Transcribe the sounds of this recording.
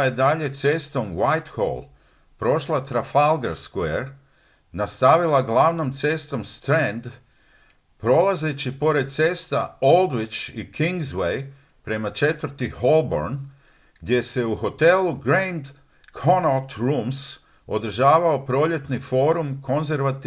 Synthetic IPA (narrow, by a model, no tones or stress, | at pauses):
jed̪aʎe̞t̪se̞st̪o̞mwajt̪xo̰lˠ | pɾo̞ʃlat̪ɾafalˠɡɾa̰skueɾ | nast̪aʋilˠaɡlˠaʋno̞mt̪se̞st̪o̞mst̪ɾend̪ | pɾo̞lˠaze̞t͡ɕipo̞ɾe̞d̪̚t̪seːst̪aold̪ʋit͡ʃikʰiŋɡzwej | pɾe̞mat͡ʃe̞t̪ʋəɾt̪iho̞lˠbo̞̰ɾn | ɡ̥d̪je̞se̞uxo̞t̪e̞luɡɾejnd̪ | kʰonot̪ɾums | o̞d̪r̩ʒaːʋao̞pɾo̞ʎe̞t̪nifo̞ːɾumko̞nze̞ɾʋat̪